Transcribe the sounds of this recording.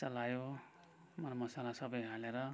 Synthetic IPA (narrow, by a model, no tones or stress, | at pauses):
sʌlajo | mʌɾmʌsalasʌbʌjɦaleɾʌ